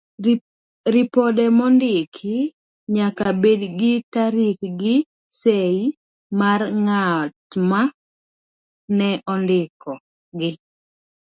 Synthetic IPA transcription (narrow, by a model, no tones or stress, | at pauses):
ɾɪpɔdɛmɔndɪkʰɪ | ɲakabedɡɪtaɾikɡɪ | sei | marŋatma | nɛʔɔndɪkʰɔ | ɡɪ